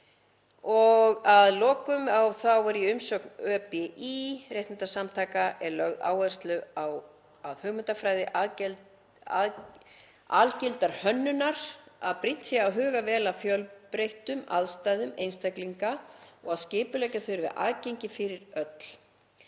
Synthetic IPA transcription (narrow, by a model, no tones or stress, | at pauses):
ɔɣaðlɔːkʏmawθawɛɾiʏmsœːknœːpɛʔirjejht̪nnt̪asamt̪ʰaːkaʔɛɾlœɣða̰ːwɛr̥st̪lʏaw | aðhʏɣmʏnt̪afɾaːjðɪʔa | a̰lcɪlt̪aɾ̥hœnːʏnaɾ̥aðpɾɪt̪sjaːwɦʏːɣavɛːlafjœlpɾejht̪ʏma̰ðst̪ajðʏmejnst̪akliŋkaɔɣaðscɪːpʏlɛcaθʏɾvɪ̰ðʔa̰ðcejɲcɪfɪɾɪɾœt̪l̥